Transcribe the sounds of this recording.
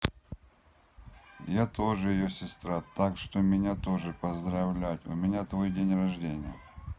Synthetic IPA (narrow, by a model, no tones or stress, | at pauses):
jat̪o̞ʐɨjɪjosʲɪst̪ɾat̪akʂt̪omʲɪnʲat̪o̞ʐɨpɐzd̪ɾɐvlʲatʲʊ̰mʲɪnʲat̪vo̞jdʲenʲrɐʐdʲenʲɪ̰jə̰